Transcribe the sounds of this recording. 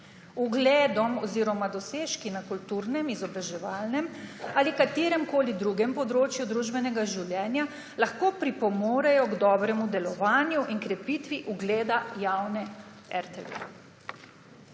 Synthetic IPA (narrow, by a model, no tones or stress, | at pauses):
uɡleːd̪ɔmɔziːɾɔmad̪ɔseːʃkinakult̪uːɾnɛmizɔbɾaʒɛʋaːlnɛmaːlikat̪eːɾɛmkoːlid̪ɾuːɡɛmpɔd̪ɾoːt͡ʃjud̪ɾuʒbɛnɛɡaʒiwlʲjɛːnja | laxkoːpɾipɔmoːɾɛjɔɡd̪ɔːbɾɛmud̪ɛlɔʋaːnjuʔiŋkɾɛpit̪ʋiʔuɡleːd̪ajawnɛ | ɛ̰ɾt̪ɛ̰ʋḛ